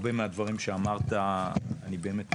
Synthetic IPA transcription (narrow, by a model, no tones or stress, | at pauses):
be̞mead̪vaʁimʃeamaʁt̪aːnibe̞ːme̞t̪